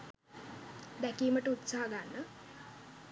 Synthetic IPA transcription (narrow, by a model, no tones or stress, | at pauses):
d̪ɛkiːməʈəut̪saɦaɡanːə